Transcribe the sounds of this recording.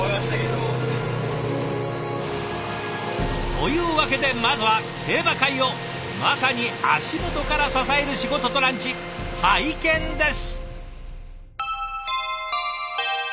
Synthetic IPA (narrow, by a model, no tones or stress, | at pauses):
ojaseɾo | t̪o̞jɯ̟ːβake̞d̪e̞mazɨβa | he̞ːbakaio̞ | masaɲ̟ia̰ɕimo̞t̪o̞kaɾasasae̞ɾɯ̟ɕiɡo̞t̪o̞t̪o̞ɾãɲt͡ɕi | haikẽ̞nd̪e̞sɨ̥